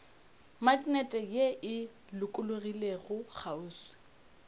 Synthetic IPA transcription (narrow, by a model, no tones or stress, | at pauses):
matʼnɛtʼɛjeʔɪ | lʊkʼʊlʊrileɣʊk͡xʰauːswɪ̥